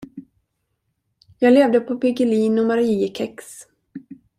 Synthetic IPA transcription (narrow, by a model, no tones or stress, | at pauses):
jɑːɡleːvd̪əpʰɔpʰɪɡɪliːnɔmaɾiəkʰɛks